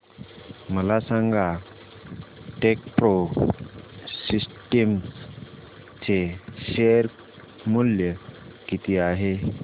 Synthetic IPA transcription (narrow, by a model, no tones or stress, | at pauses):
məlasãŋɡa | ʈek̚pɾo | sisʈəm | t͡seɕeɾ | muljəkit̪iaɦe